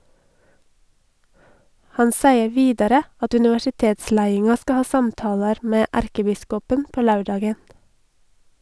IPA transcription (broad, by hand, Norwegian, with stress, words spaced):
ˈhɑn ˈsæɪə ˈʋiːdɑɾə ˈɑt ʉnɪʋæʃɪˈteːtˌslæɪɪŋɑ ˈskɑ ˈhɑː ˈsɑmtɑːlɑɾ ˈmeː ˈʔæɾkəˌbɪskɔpən ˈpoː ˈlɑʉˌɖɑːɡən